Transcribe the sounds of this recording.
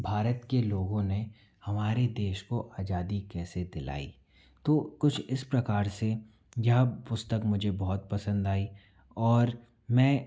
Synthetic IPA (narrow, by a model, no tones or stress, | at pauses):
bʱaːɾət̪keloːɡõne | hɐmaːɾed̪eːʃkoʔaːd͡ʒaːd̪ikɛːsed̪ɪla̰ːḭː | t̪oːkʊt͡ʃʰɪspɾɐkaːɾse | jɐɦpʊst̪əkmʊd͡ʒʱebɔɦʊt̪̚pɐsə̃nd̪aːi | ɔːɾ | mɛ̃ː